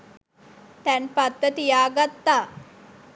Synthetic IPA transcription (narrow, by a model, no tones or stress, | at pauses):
t̪ɛnpat̪ːət̪ijaːɡat̪ːaː